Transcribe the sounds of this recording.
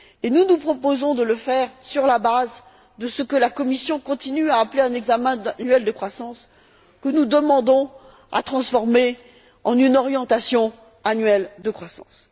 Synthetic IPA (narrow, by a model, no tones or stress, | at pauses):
enunupχɔpozɔ̃d̪ələfɛʁsyʁlabaz | d̪əsəkəlakɔmisjɔ̃kɔ̃t̪inyaːpleɛ̃nɛɡzamɛ̃anɥɛld̪əkχwasɑ̃s | kənud̪əmɑ̃d̪ɔ̃ | a̰t̪χɑ̃sfɔʁme | ɑ̃nynɔʁjɑ̃t̪asjɔ̃ | anɥɛld̪əkχwasɑ̰̃s